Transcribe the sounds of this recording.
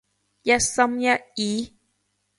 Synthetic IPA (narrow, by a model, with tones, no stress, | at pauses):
jɐ˦˥t̚sɐ˦mjɐ˦t̚ji˨˦